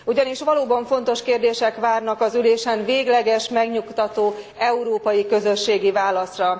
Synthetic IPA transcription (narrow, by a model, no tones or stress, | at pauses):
uɟɒniʃʋɒloːbɒɱfo̞nt̪o̞ʃkeːrd̪eːʃɛkʋaːrnɒkɒzyleːʃɛnveːɡlɛɡɛʃmɛɡɲukt̪ɒt̪oː | ɛuɾoːpɒjikø̞zøʃːeːɡivaːlɒsrɒ